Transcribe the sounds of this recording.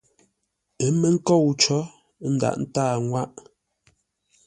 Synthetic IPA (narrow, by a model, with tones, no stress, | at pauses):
ə˨˦me˦ŋ̩˦kɔ˦˨wt͡ʃɔ˨˦ | n̩˦da̰˨ʔn̩˦taː˦˨ŋwa˦ʔ